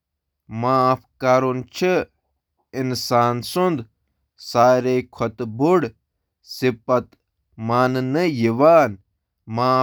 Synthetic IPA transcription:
maːpkaːɾunt͡ʃʰə | insaːnsund̪ | saːɾeːkʰɐt̪buɽ | sipɐt̪ | maːnnəjiʋaːn | maː

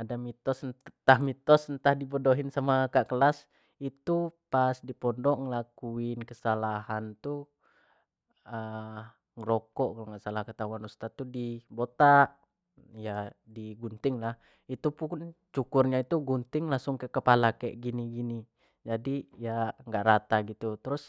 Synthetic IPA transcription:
adamit̪ɔsnt̪ahmit̪ɔsənt̪ahdibodoɦinsamakaʔkəlas | it̪upasdipɔndɔʔŋəlakuɪnkəsalahant̪u | ə | ŋəɾokɔʔkalŋasalahkət̪awanust̪at̪ːudibot̪aʔ | jadiɡunt̪ɪŋlah | it̪upunt͡ʃukʊrɲait̪uɡunt̪ɪŋlaŋsʊŋkɛʔkəpalakɛʔɡiniɡini | d͡ʒadijaŋɡaʔɾat̪aɡit̪ut̪əɾʊs

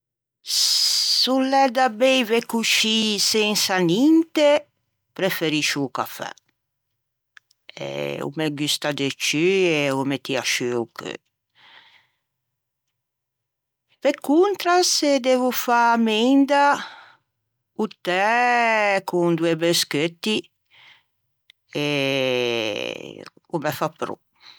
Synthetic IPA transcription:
sulːɛd̪abejvekuʃisensanint̪e | pɾefeɾiʃuka̰fɛ̰ | ḛṵmeɡist̪ad̪et͡ʃyeumet̪iaʃyukø̰ | vekːunt̪ɾased̪evufamend̪a | ut̪ɛ | kund̪uebesket̪ːi | e | umefapːɾṵ

